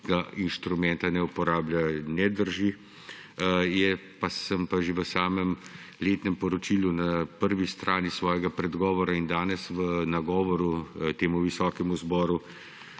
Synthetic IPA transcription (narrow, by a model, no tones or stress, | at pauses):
ɡainʃt̪ɾumɛnt̪anɛupɔɾaːblʲjanɛd̪əɾʒi | jɛpasəmpaʒeʋəsaːmɛm | leːt̪nɛmpɔɾɔt͡ʃiːlunapəɾʋist̪ɾʔaːnisʋɔːjɛɡapɾɛd̪ɡɔːʋɔɾaind̪aːnɛsʋənaɡɔːʋɔɾut̪eːmuʋisɔːkɛmuzbɔːɾu